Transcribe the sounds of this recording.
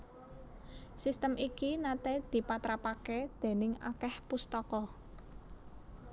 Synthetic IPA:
sist̪əmʔikinat̪ɛd̪̥i̤pat̪ɾapaked̪̥e̤nɪŋa̰kɛhpust̪ɔkɔ

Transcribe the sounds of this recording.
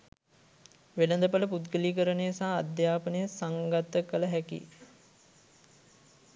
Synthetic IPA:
ʋelənd̪əpələput̪ɡəliːkəɾənejsaːd̪jaːpənəjəsaŋɡat̪ːəkələɦækḭ

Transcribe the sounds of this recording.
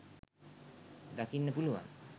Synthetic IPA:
d̪akinːepuluwa̰n

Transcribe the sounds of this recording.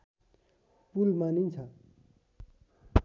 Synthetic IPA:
pulmanint͡sʰʌ

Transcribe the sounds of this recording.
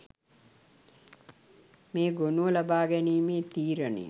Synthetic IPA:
meːɡonuʋəlabaːɡɛniːmeːt̪iːɾənḛ

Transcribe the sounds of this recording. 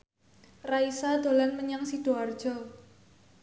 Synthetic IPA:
raisad̪̥o̤lanməɲaŋsiɖ̥oard̥ʒ̥ɔ

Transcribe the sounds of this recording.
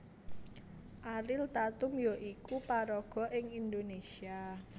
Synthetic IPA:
ʔaɾɪlt̪at̪umjoʔikupaɾɔɡ̥ɔ̤ʔɪŋind̪onesia

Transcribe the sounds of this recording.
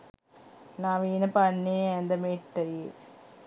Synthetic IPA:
naːʋiːnɐpɐnːeend̪ɐmeːʈːɐ

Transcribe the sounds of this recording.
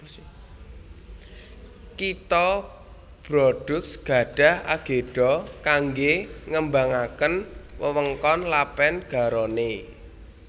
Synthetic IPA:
kit̪ɔ | b̥ɾɔɖ̥ʊksɡ̥a̤ɖ̥a̤hʔaɡ̥e̤ɖ̥ɔkaŋɡeŋəmbaŋakənwəwəŋkɔnlapɛnɡ̥a̤ɾɔne

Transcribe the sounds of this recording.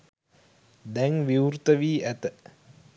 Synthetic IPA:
d̪ɛŋʋiwɾt̪əʋiːʔæt̪ə

